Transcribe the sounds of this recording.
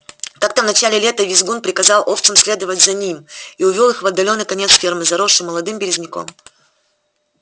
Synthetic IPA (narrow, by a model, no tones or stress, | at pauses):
k̪akt̪əvnɐt͡ɕælʲɪlʲet̪əvʲɪzɡunpɾʲɪkɐzɑlˠʔoft̪sɨmsʲlʲe̞d̪əvətʲzɐnʲimiʊvʲolˠɨxvɐd̪ːɐlʲo̞nːɨjkɐnʲet̪sfʲe̞rmɨzɐɾoʂɨmːəlˠɐd̪ɨmbʲɪɾʲɪzʲnʲɪko̰m